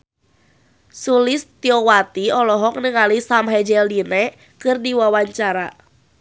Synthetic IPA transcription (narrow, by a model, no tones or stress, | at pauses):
sulɪst̪iɔwat̪iɔlɔɦɔk̚nəŋalisamɦɛd͡ʒɛldinɛ | kɨrdiwawaɲt͡ʃaɾa